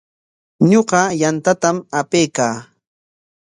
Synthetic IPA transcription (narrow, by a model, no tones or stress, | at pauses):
ɲoɢɑjant̪at̪amapejkaː